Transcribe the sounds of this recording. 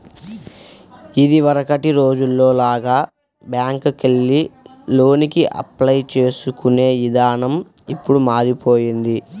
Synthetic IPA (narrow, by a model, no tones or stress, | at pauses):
id̪iʋɐɾɐkɐʈiɾo̞ːd͡ʒulːo̞ːlaːɡaː | bjaːŋkkelːi | lo̞ːnikiʔɐ̰plɐjt͡ʃeːsukune̞ːʋid̪aːnɐmipːuɽumaːɾipoːjind̪i